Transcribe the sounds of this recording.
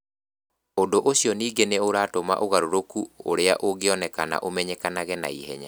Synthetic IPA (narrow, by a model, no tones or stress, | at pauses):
ondoʔoɕijɔniːɡeneoɾaːtoma̰ʔoɣaɾoɾokuo̰ɾeaʔoɡeɔnɛkana̰ʔomɛɲɛkanaɣɛna̰ihɛɲa